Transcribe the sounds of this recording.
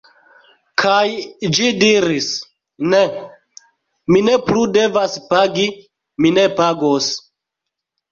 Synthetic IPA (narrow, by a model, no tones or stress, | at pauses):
kʰajd͡ʒidiɾis | ne | mine̞plude̞vaspaɡi | mine̞paɡos